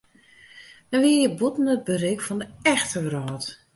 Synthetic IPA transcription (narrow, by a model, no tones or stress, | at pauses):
nɛʋiəjəbutn̩ət̚bərɪkfɔndəɛxtʰərɔːt